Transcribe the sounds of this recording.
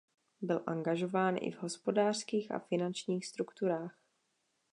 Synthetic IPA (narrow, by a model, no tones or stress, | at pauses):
bɪlʔaŋɡaʒo̞vaːnʔɪ̰vɦo̞spo̞daːr̥skiːxʔa̰fɪnant͡ʃɲiːxst̪ɾukt̪uɾaːx